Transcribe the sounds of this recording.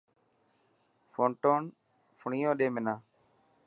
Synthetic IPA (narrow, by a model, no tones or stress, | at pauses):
fõːɳʈoːn | fʊɳiːõːɗeːmɪnãː